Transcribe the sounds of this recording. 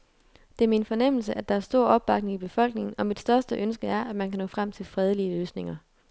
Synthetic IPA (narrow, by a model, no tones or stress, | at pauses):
d̥e̝æɐminfɒ̽nem̰l̩s̬əʔæd̥ɑ̈æɐsd̥o̝ɐ̰ɒ̽b̥ːɑ̈ɡ̥ne̝ŋib̥e̝fɒ̽l̰ɡ̥ne̝ŋn̩ɒ̽mid̥sd̥ɶɐsd̥əʔønsɡ̥əæɐʔæ̥mænkʰænɔ̰̽ːfʁam̰t͡sʰe̝lfʁɛð̞ˠəliəløːsne̝ŋɐ